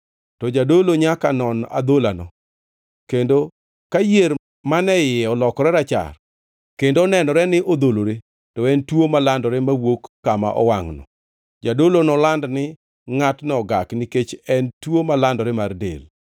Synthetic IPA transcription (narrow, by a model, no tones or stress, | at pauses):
tɔd͡ʒadoloɲakanɔna̰d̪olanɔ̰ | kendo | kajeɾ | manɛjɪɔlɔkɔɾɛɾat͡ʃa̰r | kendoɔnɛnɔɾɛnɪʔod̪oloɾe | tɔɛntwomalandɔɾɛmawokːama̰ʔɔ̰waŋnɔ̰ | d͡ʒadolonɔlandnɪ | ŋatnɔɡaknɪket͡ʃɛntwomalandɔɾɛmardḛl